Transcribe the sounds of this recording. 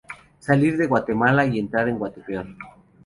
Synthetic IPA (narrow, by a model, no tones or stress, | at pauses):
saliɾðeɣwat̪emalaient̪ɾaɾeŋɡwat̪epeol